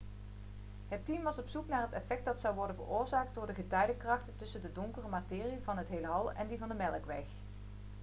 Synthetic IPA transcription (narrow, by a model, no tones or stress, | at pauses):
ɦətimʋɑsɔpsuknaːɹɦətɛfɛk̚dɑtsɑwʋɔɹdənvə̰ɹʊːɹzaːk̚t̚dʊːɹdəɣətœɥdəkrɑχtətɵsəndədɔŋkərəmaːtɪːrivɑnɦətɦejlɦɑlˠɛ̰ndivɑndəmɛlˠəkʋɛx